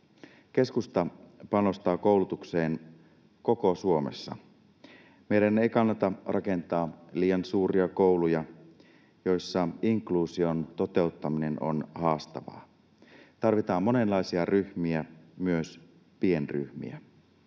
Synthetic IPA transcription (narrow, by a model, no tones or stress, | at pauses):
k̟e̞skust̪ɑpɑno̞st̪ɑːko̞ˑulut̪ukseːn | ko̞ko̞suo̞mḛsːɑ̰ | me̞jɾæne̞ikɑnːɑt̪ɑrʔɑke̞nt̪ɑːliːjɑnsuːɾiɑkowlujɑ | jo̞jsːɑiŋkluːsio̞nt̪o̞t̪e̞ut̪ːɑmine̞no̞̰nhɑːst̪ɑ̰ʋɑ̰ː | t̪ɑrʋit̪ɑːmːo̞ne̞nlːɑjsiɑryçmiæmyøs | pie̞nry̰hmḭæ̰